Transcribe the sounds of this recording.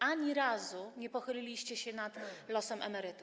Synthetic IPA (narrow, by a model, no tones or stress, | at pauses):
aɲiɾazuɲɛpɔxɘlʲilʲiɕt͡ɕɛɕɛnat̪lɔsɛmʔɛ̰mɛɾɘt̪u